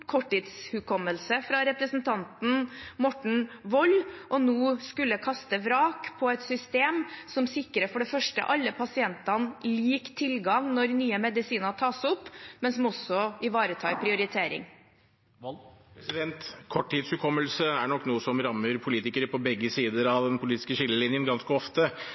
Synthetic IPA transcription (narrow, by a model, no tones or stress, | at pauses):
kʰɔʈːiːt̪shʉkʰɔmːəlsəfɾɑɾɛpɾəsnt̪ʰɑnt̪n̩mɔʈɳ̩ʋɔlːʔɔnoːskʉlːəkʰɑst̪əʋɾɑːkpʰɔɛt̪sʏst̪eːmsɔmsɪkːɾəfɔɖɛfœʂʈə̰ʔɑlːəpʰɑsɪɛnt̪ɑnliːkt̪ʰɪlɡɑŋnɔɾnyːəmɛd̪ɪsiːnɑt̪ʰɑːsɔpːmɛnsɔmɔsːɔɪʋɑːɾət̪ʰɑːpʰɾɪʊɾɪt̪ʰeːɾɪ̰ŋ | sɪd̪ɛnt̪kʰɔʈʰːiːd̪shʉkʰɔmːəlsəæɳɔkːnuːəsɔmɾɑmːəɾpʰʊliːt̪ɪkəɾəpʰɔbɛɡːəsiːd̪əɾɑʋd̪ɛnpʰʊliːt̪ɪ̥skəɕɪlːəlɪnjənɡɑnskəɔft̪ə